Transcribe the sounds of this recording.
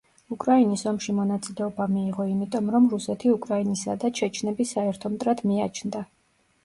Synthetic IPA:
ukʼɾainisɔmʃimɔnat̪sʼilɛɔbamiːʁɔimit̪ʼɔmɾɔmɾusɛt̪ʰiukʼɾainisad̪at͡ʃʰɛt͡ʃʰnɛbisaɛɾt̪ʰɔmt̪ʼɾad̪miat͡ʃʰnd̪a

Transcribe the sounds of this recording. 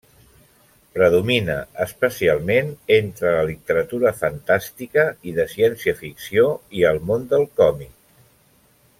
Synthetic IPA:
pɾəðuminə̰əspəsialˠmenent̪ɾələlit̪əɾət̪uɾəfənt̪ast̪ikəiðəsiɛnsiəfiksioiəlˠmond̪əlˠkɔmik̚

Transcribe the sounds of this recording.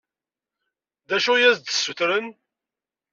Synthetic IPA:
ðæʃujæzd̪əsːuθɾən

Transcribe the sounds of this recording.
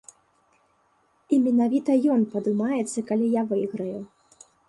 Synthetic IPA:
imʲɛnavʲit̪ɐjɔnpɐd̪umajɛt̪sːɐkalʲijavɨjɣɾɐju

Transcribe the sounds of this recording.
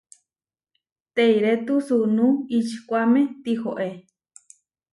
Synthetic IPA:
t̪eiɾet̪usunuit͡ʃʰkʷamet̪ihoʔe

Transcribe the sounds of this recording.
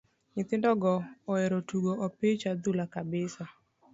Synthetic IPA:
ɲɪt̪ɪndɔɡɔːɛɾotuɡoʔɔpɪt͡ʃad̪ʊlakabɪsa

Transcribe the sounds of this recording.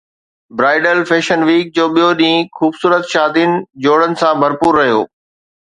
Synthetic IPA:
bɾaːɪɖəlfeːʃənʋiːk̚d͡ʑoːɓijoɗĩːxuːbsuːɾət̪ʃaːd̪inɪ̆d͡ʑoːɽənɪ̆sãbʱɐɾpuːɾːɐɦijo̰ː

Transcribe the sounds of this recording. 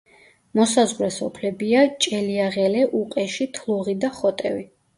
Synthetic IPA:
mɔsazʁwɾɛsɔpʰlɛbiat͡ʃʼɛliaʁɛlɛʔuqʼɛʃit̪ʰlˠuʁid̪aχɔt̪ʼɛ̰vi

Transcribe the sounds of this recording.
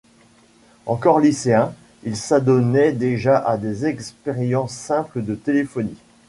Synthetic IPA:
ɑ̃kɔʁliseɛ̃ | ilsad̪ɔnɛd̪eʒaʔad̪ezɛkspeʁjɑ̃sːɛ̃pləd̪ət̪elefɔni

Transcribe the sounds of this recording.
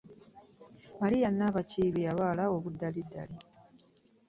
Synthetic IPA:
malijanːaːβaciːβijaβaːlaoβudːalidːa̰li

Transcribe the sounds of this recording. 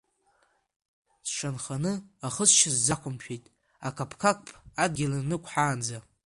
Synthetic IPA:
sʂanχanɨaχəsʃɪzd͡zakʷʰʊmʃᶣejtʼ | akʰapʰkʰakʷʼpʼad̚ɡʲɪlanɨkʷʰħaːnd͡za

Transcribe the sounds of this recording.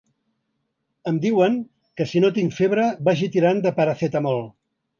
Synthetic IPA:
əmd̪iwəŋ | kəsinot̪iŋfeβɾəbaʒit̪iɾand̪əpəɾəθɛt̪əmɔlˠ

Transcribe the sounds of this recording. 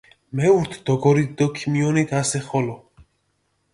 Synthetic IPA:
mɛuɾt̪ʰd̪ɔɡɔɾit̪̚d̪ɔkʰimiɔnit̪ʰasɛχɔlɔ

